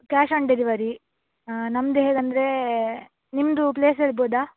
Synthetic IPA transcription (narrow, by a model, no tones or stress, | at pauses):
kaːʃɐːɳɖeɾiʋɐɾi | nɐmd̪eɦeːɡɐnd̪ɐɾe | nimd̪upleːs̬elboːd̪aː